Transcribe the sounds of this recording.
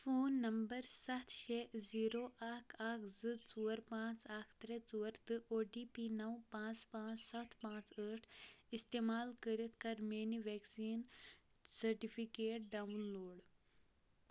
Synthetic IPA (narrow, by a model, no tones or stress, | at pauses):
fʰoːnːɐmbəɾsɐt̪ʰʃeːziːɾoːʔaːkʰaːkzɨt͡suːəɾpãːt͡saːkʰt̪ɾet͡suːɐɾt̪ɨʔoːɖiːpiːnɐwpãːt͡ʃpãːt͡ʃsɐt̪ʰpãːt͡ʃəːʈʰist̪eːmaːlkəɾit̪ʰkɐɾmeːniʋeːksiːn | sɐɾʈipʰikeːʈ̚ɖaːʋnloːɖ